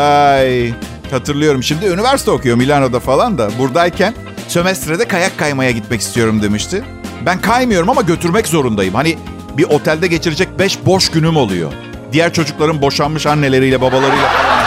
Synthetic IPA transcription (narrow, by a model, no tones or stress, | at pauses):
aj | hat̪ʰɯɾlˠɯjo̞ɾumʃimd̪iynyvæɾsi̥t̪ʰɛo̞kʰujo̞milʲanod̪afalˠand̪abuɾd̪ailcʰæn | sø̞mɛst̪ɾed̪ɛkʰajakʰːajmajaɟit̪̚mɛcist̪ijo̞ɾumd̪e̞miʃt̪ʰɪ | bænkʰajmɯjo̞ɾumamaɟø̞t̪ʰyɾmɛczo̞ɾund̪ajɯmhani | biʔo̞t̪ʰælʲd̪ɛɟe̞t͡ʃʰiɾed͡ʒɛc̚bɛʃbo̞ʃɟynymo̞lˠṵjo̰ | d̪ijæɾt͡ʃʰo̞d͡ʒuklˠaɾɯnbo̞ʃanmɯʃanːe̞lʲe̞ɾijlʲɛbabalˠaɾɯjlʲa